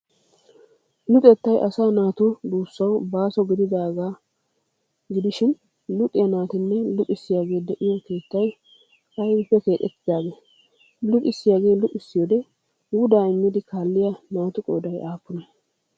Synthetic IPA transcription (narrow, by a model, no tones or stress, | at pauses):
lʊt̪ʼɛt̪ːɐjʔɐsaːnaːt̪ʊd̪uːsːɐwbaːsɔɡɪd̪ɪd̪aːɡaː | ɡɪd̪ɪʃɪn | lʊt̪ʼːɪjɐnaːt̪ɪnːɛlʊt̪ʼɪsːɪjaːɡe̞ːd̪ɛʔɪjɔke̞ːt̪ːɐj | ɐjwɪpːɛke̞ːt̪ʼːɛt̪ːɪd̪aːɡe̞ː | lʊtʼɪsːɪjaːɡe̞ːlʊʔʼɪsːɪjoːd̪ɛ | wʊd̪aːɪmːɪd̪ɪkaːlːɪjɐnaːt̪ʊkʼɔːd̪ɐjʔaːpːʊnɐ